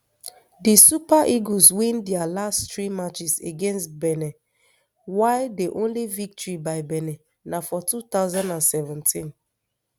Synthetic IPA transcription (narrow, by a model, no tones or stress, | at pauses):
disupaʔiɡoswĩndialasttɹimat͡ʃiseɡẽnstbɛnɛ | waɪdeʔõnlivik̚tɔɹibaɪbɛnɛ | nafɔtut̪aʊzãndãnsɛvɛ̃ntĩn